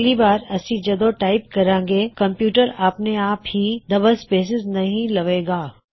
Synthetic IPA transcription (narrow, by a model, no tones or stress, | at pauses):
libaːɾɐsĩd͡ʒɐd̪oʈaːɪpkɐɾãːŋɡeːkɐ̃mpjuːʈəɾaːpneaːphid̪ɐbəspeːs̬ɪznɐɦĩlɐʋeːɡaː